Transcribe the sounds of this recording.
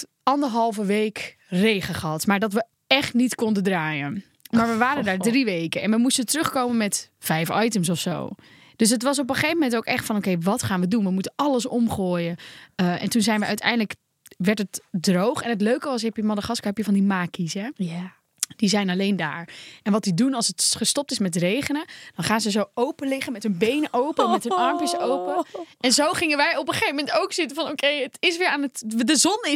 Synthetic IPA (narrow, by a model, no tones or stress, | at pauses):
ɑndəɹɦɑlˠvəʋeːk | rejχəχəɑtmaːɹdɑtʋə | ɛχtnitkɔndəndraːjən | maːɹʋəʋaːɾəndaːɹdriʋejkəɛ̰nʋəmustətrøχkoːmənmɛtfɛjfɑjtəms̬ɔfso̰ː | d̥øs̬ɦətʋɑs̬ɔp̬əχejvəmɛntoːkɛχtfɑnokejʋɑtχaːnʋədunʋəmutənɑləs̬ɔmχoːjəəʔɛ̰ntunzɛjnʋəʔœɥtɛ̰jndlək | ʋɛɹtətdrowχɛnɦətløɥkəʋɑs̬ɛpjəmɔdəχɑskapjəfvɑndimaːkisɛ | d̥izɛjnɑlejnda̰ːɹʔɛnʋɑt̚didunɑlˠsətχəstɔp̚tɪsmɛt̬rejχənəd̥ɑnχaːnzəzowowpəlɪχənmɛtɦɵnbejnəʔowpəɛnmɛtɦnɑɹmpjəsowpəɛnzowχɪŋənʋɛjɔpəχejvəmɛntowksɪtəvɑnokʰejətɪsʋɪːɹaːnətdəzɔnɪ